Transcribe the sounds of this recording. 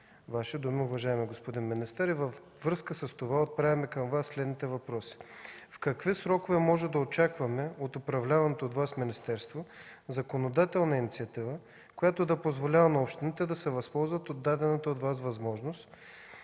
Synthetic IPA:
vaʃid̪umiʊvɐʒaɛmiɡospod̪inminist̪əɾivəfːɾɤskəsəst̪ovaot̪̚pɾavʲɛmɛkəmvasːlɛd̪nit̪ɛvɐpɾɔsi̥fkɐkvisɾɔkovɛmɔʒɛd̪ɐot͡ʃakvɐmɛot̪ʊpɾɐvlʲavɐnɛt̪oːt̪vasminist̪ɛɾst̪vo | zɐkonod̪at̪ɛlˠnɐinit̪siɐt̪ivə | kojat̪od̪ɐpozvolʲavɐnɐopʃt̪init̪ɛd̪ɐsɛvɐspɔlˠzvət̪od̪ːad̪ɛnət̪əot̪vasvɐzmɔʒnost̪

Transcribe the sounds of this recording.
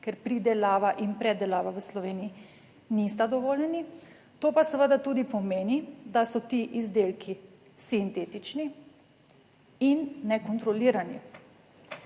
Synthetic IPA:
kɛɾpɾid̪ɛlaːʋaʔinpɾɛd̪ɛlaːʋaʋəslɔʋeːnii | nist̪ad̪ɔʋoːljɛni | t̪oːpasəʋəd̪at̪ud̪ipɔmeːnid̪asɔt̪iʔizd̪eːlkʰi | sint̪eːt̪it͡ʃni | inːɛkɔnt̪ɾɔliɾani

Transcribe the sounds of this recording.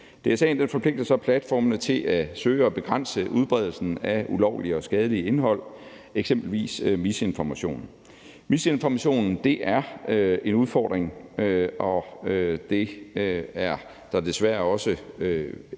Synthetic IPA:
d̥e̝sɛ̰nd̥enfɒ̽pʰle̝ɡ̥̚d̥ɐsɑ̈pʰlæd̥fɒ̰ːmənət͡sʰe̝lʔæsøːɒ̽b̥e̝ɡ̥ʁan̰səʔuð̞ˠb̥ʁɛð̞ˠl̩sn̩æulɒʊliɒ̽sɡ̥ɛːð̞ˠəliəe̝nɦɒ̽l̰ | eɡ̥sem̰b̥l̩ʋḭːsmise̝nfɒmæɕo̝̰ːn̩ | mise̝nfɒmæɕo̝̰ːnn̩d̥e̝ʔæɐøe̝nuð̞ˠfɒ̰ːd̥ʁeŋ | ɒ̽ød̥e̝ | æɐ | d̥ɑ̈d̥e̝sʋæɐɒ̽səø

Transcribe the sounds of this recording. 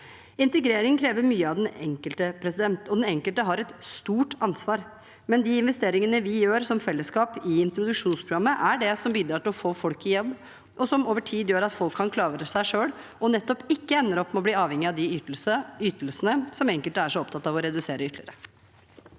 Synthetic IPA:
ɪnt̪əɡɾeːɾɪŋkʰɾeːʋəɾmyːəɑʋd̪ɛnɛ̰ŋkəlt̪əpʰɾɛsɪd̪ɛnt̪ɔd̪ɛnɛŋkəlt̪əɦɑɾɛt̪st̪uːʈɑnsʋɑːɾ | mɛnd̪iɪnʋɛst̪eːɾɪŋənəʋɪjøːɾsɔmfɛlːəskɑːpɪɪnt̪ɾʊd̪ʉkʂuːnspʰɾʊɡɑmːəʔæɖɛsɔmbiːd̪ɾɑːʈɪlɔfoːfɔlkɪjɛlb | ʔɔsɔmoːʋəʈʰiːd̪jøːɾɑt̪fɔlkʰːɑnkʰlɑːʋəɾəsæɪʂøːɽɔnɛt̪ːɔpɪkːəɛnːəɾɔpːmɛɔbliːɑːʋhɛŋːɪɑʋd̪ɪysyːt̪əlsənəsɔmɛŋkəlt̪əæʂɔɔp̚t̪ʰɑt̪ːɑʋɔɾɛd̪ʉseːɾəʏt̪lɪəɾə

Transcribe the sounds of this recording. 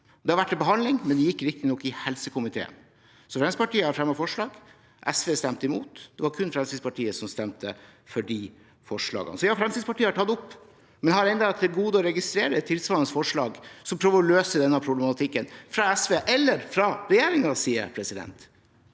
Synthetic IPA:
d̪ɛhɑɾʋæʈːɪbəɦɑnd̪lɪŋmɛnd̪ɛjɪkːɾɪk̚t̪ɪnɔkːɪhɛlsəkʰʊmɪt̪ʰḛːə̰n | sɔfɾɛnsəpɑʈiːəhɑɾfɾɛmːɑfɔʂɭɑːɡ | ʔɛsʋeːst̪ɛmt̪əɪmuːt̪d̪ɛʋɑɾkʰʉnfɾɛmst̪id̪spɑʈʰiːəsɔmst̪ɛmt̪ʰəfɔɖiː | fɔʂɭɑ̰ːɡə̰nəsɔjɑːfɾɛmsid̪spɑʈʰiːəhɑʈʰɑt̪ːʊpː | mɛnhɑɾɛnd̪ɑʋæʈ̪d̪ɛɡuːd̪əɔɾɛɡɪst̪ɾeːɾət̪ʰːɪlsʋɑːnəsfɔʂɭɑːɡsɔmpʰɾøːʋəɾɔløːsəd̪ɛnːəpʰɾʊblɛmɑt̪ʰɪkːənfɾɑɛsʋeːʔɛlːəɾfɾɑɾɛjeːɾɪŋɑsiːə̰ɾpʰɾɛsɪd̪ɛ̰nt̪

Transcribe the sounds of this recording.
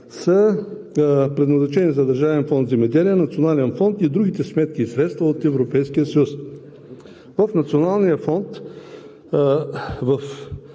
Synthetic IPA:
sə | pɾɛd̪nɐzɛt͡ʃɛnizɐd̪ɐɾʒavɛnfɔnt̪zɛmɛd̪ɛliənɐt̪sionalɛnfɔnt̪id̪ɾuɡ̟it̪ɛsmɛt̪̚kiːsɾɛt̪st̪vɐot̪ɛvɾopɛjskijəsəjus | vəfnɐt̪sionalˠnijəfɔnt̪ | vɐf

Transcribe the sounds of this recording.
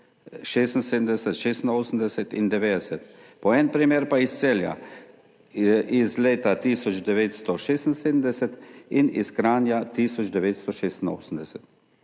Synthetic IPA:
ʃeːst̪n̩seːd̪md̪ɛsɛt̪ʃeːst̪noːsn̩d̪ɛsɛt̪ḭnd̪ɛʋeːd̪ɛsɛt̪pɔɛnpɾimeːɾpaist̪selja̰ | izleːt̪at̪iːsɔd͡ʒd̪ɛʋeːt̪st̪ɔʃeːst̪n̩seːd̪n̩d̪ɛsɛt̪iniskɾaːnjat̪iːsɔd͡ʒd̪ɛʋeːt̪st̪ɔʃeːst̪ino̰ːsn̩d̪ɛsɛt̪

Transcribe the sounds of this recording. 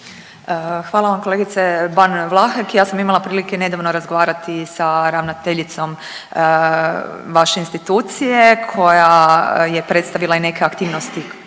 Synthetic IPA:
əxʋaːlaʋamko̞leɡit̪sebanʋlˠaxakjaːsamimalˠapɾiːlikene̞d̪aʋnoɾazɡoʋaːɾat̪isaɾaʋnat̪eʎit̪so̞m | ʋaʃeinst̪it̪uːt̪sije̞kʰo̞jaje̞pɾe̞t̪st̪aʋilˠaine̞keakt̪iːʋnost̪i

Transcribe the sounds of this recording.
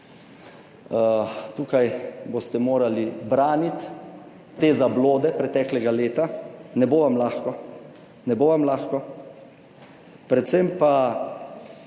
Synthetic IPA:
t̪uːkajbost̪ɛmoːɾalibɾaːnit̪ː | eːzabloːd̪ɛpɾɛt̪ɛːklɛɡaleːt̪anɛboːʋamlaːxkɔ | nɛboːʋamlaːxkɔ | pɾɛt̪sɛmpa

